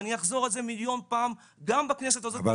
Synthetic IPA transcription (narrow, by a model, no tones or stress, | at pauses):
nijaχzo̞ʁelze̞miljo̞npaːm | ɡambakne̞s̬e̞t̪azova